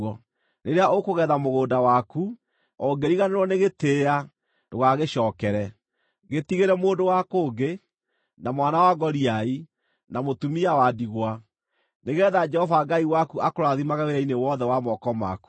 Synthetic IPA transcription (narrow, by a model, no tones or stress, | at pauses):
ɔ | neɾeaʔokoɣɛðamoɣoːdawaku | ɔɡeɾiɣaneɾwɔneɣeteːa | doɣaɣeɕɔːkɛɾɛ | ɣetiɣeɾɛmoːndowakoːɡe | namwanawaɡɔɾiai | namotumiawadiɣwa | neɣɛːðad͡ʒɛhɔvaɡaiwakuakoɾaðimaɣaweɾɛinewɔðɛwamɔkɔma̰ku̥